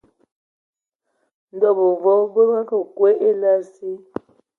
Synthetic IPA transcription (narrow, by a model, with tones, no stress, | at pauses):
n̩˨dɔ˦˨bo˨vɔ˨˦bə˦a˦kə˨kwe˦ʔe˦la˦si˦